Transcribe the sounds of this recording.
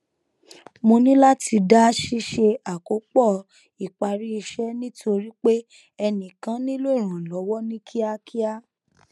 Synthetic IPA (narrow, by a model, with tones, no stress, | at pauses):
mõ˧nĩ˦la˦ti˧da˦ʃi˦ʃe˧a˨ko˨˦k͡pɔ˦˨ | i˨k͡pa˨ɾi˦i˧ʃɛ˦nĩ˦tʰo˧ɾi˦k͡pe˦ | ɛ˧nĩ˨kã˦nĩ˦lo˦i˦˨ɾ̃ã˨lɔ˨˦wɔ˦nĩ˦kʰi˦a˦kʰi˦a˦